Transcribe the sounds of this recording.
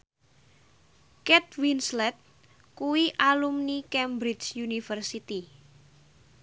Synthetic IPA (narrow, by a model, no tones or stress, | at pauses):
kɛt̪winslɛt̪̚ | kuwiʔalumnikɛmbɾɪt͡ʃjunifərsit̪i